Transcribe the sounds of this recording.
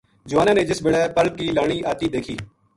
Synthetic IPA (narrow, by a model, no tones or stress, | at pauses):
d͡ʒʊʋaːnãːneːd͡ʒɪsbeɽaːpəlkiːlaːɳ̃iːʔaːt̪iːd̪eːkʰiː